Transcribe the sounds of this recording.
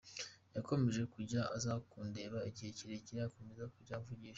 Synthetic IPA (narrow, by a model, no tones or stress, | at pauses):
jako̞me̞ʒe̞kuɟaazakuːnde̞βaiɟiheciɾeciɾejako̞mezakuɟavuɟiːʃ